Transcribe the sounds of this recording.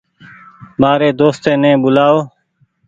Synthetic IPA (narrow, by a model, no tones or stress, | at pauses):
maːɾeːd̪oːst̪ẽːnẽːɓʊlaːoː